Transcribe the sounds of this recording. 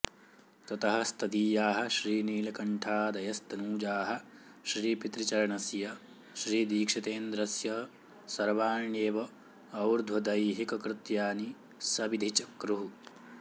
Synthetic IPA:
t̪ɐt̪ɐɦɐst̪ɐd̪iːjaːɦɐ̆ʃɾiːniːlɐkɐɳʈʰaːd̪ɐjɐst̪ɐnuːd͡ʒaːɦɐ̆ | ʃɾiːpit̪ɾit͡ʃɐɾɐɳɐsjɐ | ʃɾiːd̪iːkʂɐt̪eːnd̪ɾɐsjɐ | sɐɾʋaːɳeːʋɐ | ɐwɾd̪ʱwɐd̪ɐjɦikɐkɾɪt̪jaːni | sɐbid̪ʱit͡ʃɐkɾuɦu

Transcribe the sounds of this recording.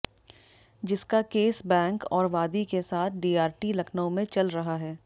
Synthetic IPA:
d͡ʒɪskakeːsbɛ̃ːŋkɔːɾʋaːd̪ikesaːt̪̚ʰɖiːaːɾʈilɐkʰnəõmẽt͡ʃɐlɾɐɦaɦɛː

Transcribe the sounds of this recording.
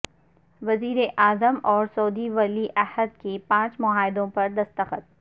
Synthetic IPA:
ʋɐziːɾeʔaːzəmɔːɾsɔːd̪iʋɐliʔɐhəd̪kepãːt͡ʃmʊɦaːɪd̪õpɐɾd̪ɐst̪əxət̪̚

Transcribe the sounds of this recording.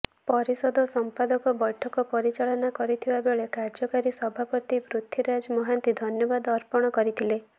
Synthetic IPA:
pɔɾisɔd̪ʱɔsɔmpad̪ɔkɔbɔʈʰːɔkɔpɔɾit͡ʃaɭɔnakɔɾit̪ʰibabeɭekaɾd͡ʒɔkaɾisɔbʱapɔt̪ibɾut̪ʰːiɾad͡ʒɔmɔɦant̪id̪ʱɔnjɔbad̪ɔɾpɔɽ̃ɔkɔɾit̪ʰile

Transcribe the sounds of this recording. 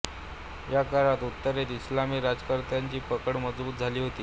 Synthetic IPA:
jakaɾãt̪ut̪ːəɾet̪islamiːɾad͡zkəɾt̪jaɲt͡ɕiːpəkəɽməd͡zbuːt̪̚d͡zʱaliːɦot̪iː

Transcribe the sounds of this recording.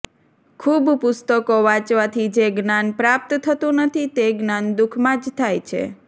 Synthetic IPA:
kʰubpʊst̪əkoʋãt͡ʃʋat̪ʰid͡ʒeɡnanpɾap̚t̪t̪ʰət̪ũnət̪ʰit̪eɡnand̪ʊkʰmãd͡ʒt̪ʰajt͡ʃʰḛ

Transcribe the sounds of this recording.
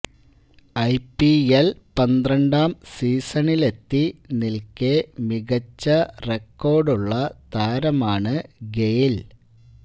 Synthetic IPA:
ɐjpːielpɐnd̪rɐɳɖaːmsiːsɐɳile̞t̪ːinilkemiɣɐt͡ɕːɐrekːo̞ːrɖuɭːɐt̪aːɾɐmaːɳɨɡejl

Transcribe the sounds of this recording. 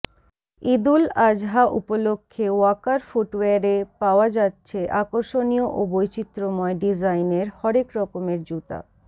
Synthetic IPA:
id̪ulad͡ʑɦaʔṵpolokʰːewakaɾfuʈweaɾepaoad͡ʑatːɕʰeʔakoɾʃonioʔobojt͡ɕit̪ːɾomɔeɖid͡ʑajneɾhɔɾekɾɔkomeɾd͡ʑut̪a̰

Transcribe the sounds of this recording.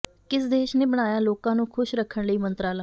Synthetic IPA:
kɪsd̪eːʃneːbəɽ̃aːjaːloːkãːnũːkʰʊʃɾəkʰːəɳləiːmənt̪ɾaːlaː

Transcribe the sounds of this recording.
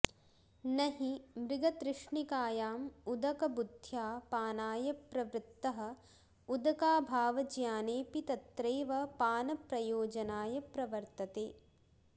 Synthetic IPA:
nɐɦimɾɪɡɐt̪ɾɪʂɳikaːjaːmud̪ɐkɐbud̪ʱjaːpaːnaːjɐpɾɐʋɾɪt̪ːɐɦɐ̆ | ud̪ɐkaːbʱaːʋɐd͡ʒjaːneːpit̪ɐt̪ɾeːʋɐpaːnɐpɾɐjoːd͡ʒɐnaːjɐpɾɐʋɐɾt̪ɐt̪eː

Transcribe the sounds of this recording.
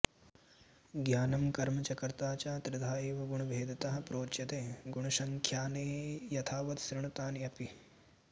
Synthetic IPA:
ɡjaːnɐmkɐɾmɐt͡ʃɐkɐɾt̪aːt͡ʃaːt̪ɾɪd̪ʱaːjeːʋɐɡuɳ̃ɐbʱeːd̪ɐt̪ɐɦɐ̆pɾoːt͡ʃjɐt̪eːɡuɳ̃ɐʃɐŋkʰjaːneːjɐt̪ʰaːʋɐt̪sɾɪɳɐt̪aːnjɐpi

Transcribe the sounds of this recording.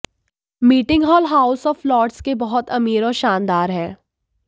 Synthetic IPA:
miːʈɪ̃ŋɡɦɔːlɦaːʊsɔːflɔːʈskebɐɦʊt̪ɐmiːɾɔːɾʃaːnd̪aːɾɦɛ̃ː

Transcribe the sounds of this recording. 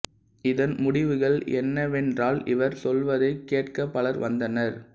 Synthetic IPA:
ɪðɐnmʊɽɪʋɯɣɐɭɛ̰nːɐʋɛndraːlɪ̰ʋɐɾsɔlʋɐðɐɪkːeːʈkɐpːɐɭɐɾʋɐnd̪ɐnɐɾ

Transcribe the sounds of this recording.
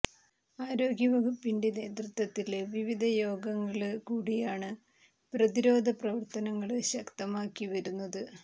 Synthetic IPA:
aːɾo̞ːɡjɐʋɐɡupːiɳɖine̞ːd̪rɨt̪ʋɐt̪ːileʋiʋid̪ʱɐjo̞ːɡɐŋːɐɭkuːɽijaːɳɨ | prɐðiɾo̞ːd̪ʱɐprɐʋɐrt̪ɐnɐŋːɐɭɕɐkt̪ɐmaːkːiʋɐɾunːɐðɨ

